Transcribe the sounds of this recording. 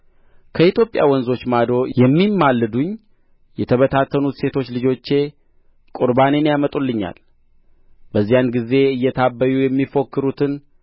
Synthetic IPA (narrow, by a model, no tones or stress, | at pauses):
kʰəit̪ʰjo̞pʼja̰wɔnzo̞t͡ʃːmad̪ɾo̞jɛmːimːalːɨd̪uɲ | jɛt̪ʰəβət̪ʰat̪ʰːənut̪se̞t̪ʰo̞t͡ʃːlɨd͡ʒo̞t͡ʃːe̞ | kʼuɾbane̞njamət̪ʼulːɨɲːa̰l | bəzːijanɡize̞ɨjːɛt̪ʰabːəjujɛmːifo̞kːɨɾut̪ʰɨn